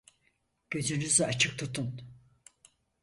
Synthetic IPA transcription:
ɟ̥ø̞d͡ʒ̪ynyzat͡ʃʰɯk̚t̪ʰut̪ʰun

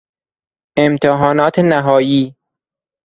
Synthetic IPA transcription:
ʔemt̪ʰeɦɒːnɒːt̪ʰenæɦɒːjiː

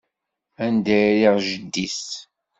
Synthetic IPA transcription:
ænd̪æjɾiʁʒəd̪ːis

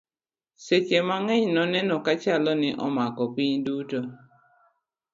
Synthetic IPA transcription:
set͡ʃemaŋɛɲnɔnɛnɔkat͡ʃalɔnɪʔɔmakɔpiɲduto

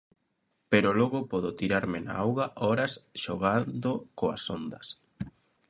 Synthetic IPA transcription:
peɾolɔɣʊpɔðot̪iɾaɾmɪna̰awɣaʔɔɾɐsʃoɣand̪okoa̰sond̪ɐs

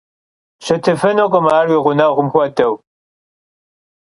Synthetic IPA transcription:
ʃɐtʰɨfɐnokʷʼɔmaːrwiːʁʷʊnɐʁʷʊmxʷɐtɐw

